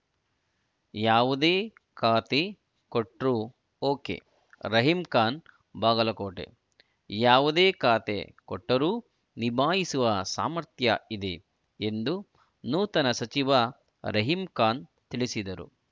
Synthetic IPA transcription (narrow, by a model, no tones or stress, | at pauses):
jaːʋud̪eː | kaːt̪e | koʈɾu | oːkḛ | ɾɐɦimkaːn | baːɡɐlɐkoːʈḛ | jaːʋud̪eːkaːt̪ḛkoʈːɐɾuː | nibʱaːɦisuʋɐsa̰ːmɐɾt̪jɐ̰id̪e | end̪u | nuːt̪ɐnɐsɐt͡ʃiʋɐ | ɾɐɦimkaːn | t̪iɭisid̪ɐɾṵ